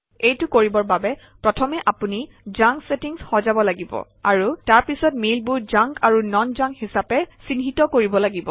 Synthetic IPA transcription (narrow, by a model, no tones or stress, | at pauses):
ejtʊkoɹibɔɹbabɛ | pɹɔtʰɔmɛʔapuni | zaŋksetiŋshɔzabɔlaɡibɔ̰ | aɹutaɹpisɔtmilbʊd͡ʒaŋkaɹunɔnzãŋkhisapɛsinɦitɔkoɹibɔlaɡibɔ